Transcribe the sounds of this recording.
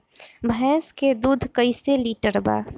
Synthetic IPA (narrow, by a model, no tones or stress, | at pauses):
bʱɛːsked̪uːd̪ʱkəiseliːʈəɾba̰ː